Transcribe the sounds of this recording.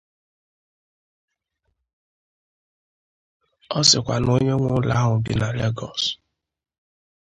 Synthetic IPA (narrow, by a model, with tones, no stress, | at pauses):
ɔ˦sɪ˨kʷa˨no˦ɲe˦ŋʷʊ˦la˦ɦʊ˨ɡɪ˨na˨le˦ɡɔ˨s